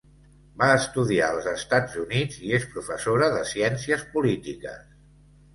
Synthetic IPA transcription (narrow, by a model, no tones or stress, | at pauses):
baəst̪uðia̰əlˠzəst̪ad͡zunid͡ziespɾufəsoɾəðəsiɛnsiəspulit̪ikə̰s